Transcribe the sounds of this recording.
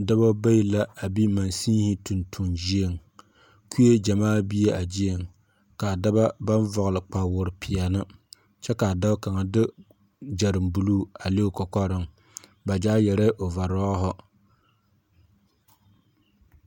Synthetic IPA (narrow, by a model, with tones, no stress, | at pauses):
da˦ba˦ba˦i˦la˦a˨bi˦ma˨nsĩː˦hɪ˦tu˨ntʰu˨nd͡ʒi˦e˦˨ŋ | kʰu˦je˦d͡ʒa˨maː˦bi˦e˦ʔa˨d͡ʒi˦e˨ŋ | ka˨da˦ba˦ba˦nvɔ˨ɣlɨ˨k͡pa˨wʊ˨ɾɪ˨pʰɪ˨a˨nɨ˦ | t͡ʃɛ˦ka˨da˦ka˨ŋa˨dɪ˦ | d͡ʒa˨ɾɨ˨mbu˨luː˦a˨le˦o˦kɔ˨kɔ˦ɾɨ˦ŋ | ba˨d͡ʒaː˦jɛ˨ɾɛ˦ʔo˨va˨ɾɔː˦ɦɔ˦